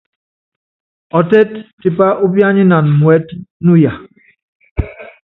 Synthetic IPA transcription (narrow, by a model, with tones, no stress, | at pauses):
ɔ˨tɛ˦tti˨pa˦ʔu˦bja˦ɲi˦na˨nmwɛ˨˦tnu˦ja˨